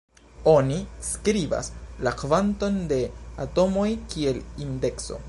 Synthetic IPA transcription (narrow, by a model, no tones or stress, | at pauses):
o̞niskɾiba̰slakvanto̞nde̞ato̞mo̞jkie̞linde̞kso̞̰